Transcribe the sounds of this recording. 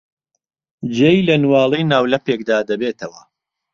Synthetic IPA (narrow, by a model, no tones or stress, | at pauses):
d͡ʒejlɐnwɑːlˠejnaːwlɐpeːk̚d̪aːd̪ɐbeːt̪ʰɐwɐ